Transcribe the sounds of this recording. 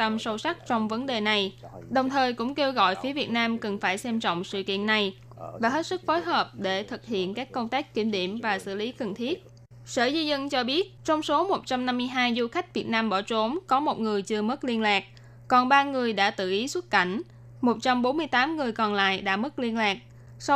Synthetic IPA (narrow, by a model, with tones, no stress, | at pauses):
t̪ə˧msə˧wsa˦˥k̚t͡ɕɔ˧wŋ͡mvə˨˦nɗe˨˩na˨˩jɗə˨˩wŋ͡mt̪ʰəː˨˩jkʊ̰˧˥ŋ͡mke˧wɣɔ̰˧˨jfi˨˦vi˨˩ət̚naː˧mkə˨˩ŋfaː˧˩jsɛ˧mt͡ɕɔ̰˧˨wŋ͡msɨ̰˧˨kḭ˧˨ənːa˨˩j | vaː˨˩ɦe˦˥t̚sɨ˦˥k̚fo˨˦jɦəː˨˩p̚ɗe˧˩t̪ʰɨ˨˩k̚hḭ˧˨ənkaː˦˥kːə˧wŋ͡mt̪aː˦˥kkːi˧˩mɗḭ˧˩əmvaː˨˩sɨ̰˧˨li˨˦kə˨˩ŋnt̪ʰi˦˥ət̚ | sə̰ː˧˩zi˧zə˧nt͡ɕɔ˧ɓi˦˥ət̚t͡ɕɔ˧wŋ͡mso˨˦mo˨˩t̚t͡ɕa˧mna˧mːɨ˧əjɦaː˧jzu˧xa˦˥jk̟̚vi˨˩ət̚naː˧mɓɔ˧˩t͡ɕo˨˦mkɔ˨˦mo˨˩t̚ŋɨ˨˩əjt͡ɕɨ˧əmə˦˥t̚li˧ənlaː˨˩k̚ | kɔ˨˩nɓaː˧ŋɨ˨˩əjɗa̰ː˧˥t̪ɨ̰˧˨ʔi˨˦swə˦˥t̚ka˧˩jŋ̟ | mo˨˩t̚t͡ɕa˧mɓo˨˦nmɨ˧əjt̪aː˨˦mŋɨ˨˩əjkɔ˨˩nla̰ː˧˨jɗa̰ː˧˥mə˦˥t̚li˧ənlaː˨˩k̚ | s